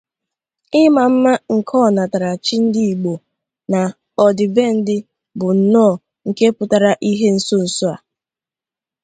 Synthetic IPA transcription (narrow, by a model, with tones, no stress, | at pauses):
ɪ˦ma˨m̩˦ma˦ŋ̩˨kʰɔ˦˨na˨ta˨ɾa˨t͡ʃi˦n̩˦di˦i˨ɡ͡bo˨ | na˨ | ɔ˨dɪ˨be˦n̩˦dɪ˦ | bʊ˨n̩˨nɔː˦˨ | ŋ̩˨ke˦pʊ˨ta˨ɾa˦ʔi˦ɦe˦n̩˦so˦˨so˦a˨